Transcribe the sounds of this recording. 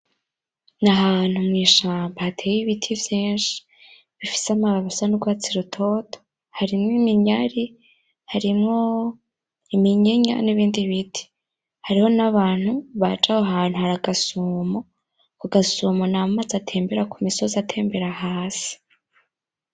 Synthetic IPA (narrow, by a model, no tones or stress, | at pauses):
naɦaːn̥humŋiːʃaːmbahatʰeːjiβitʰivjeːnʃi̥ | βifi̥samaβaβusanuɡwaːt͡siɾutʰo̞tʰo̥ | haɾimŋimiɲaɾi | haɾimŋo̞ | imiɲeɲa̰niβiːndiβitʰi̥ | haɾiho̞naβaːn̥huβat͡ʃahoɦaːn̥huhaɾaɡasuːmo | kuɡasuːmonamazatʰe̞ːmbe̞ɾakʰumisozatʰe̞ːmbe̞ɾahaːsi̥